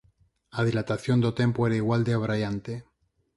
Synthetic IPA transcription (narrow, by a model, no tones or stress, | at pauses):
aðilat̪aθjo̞nd̪ot̪e̞mpoeɾaiɣwald̪eoβɾajant̪e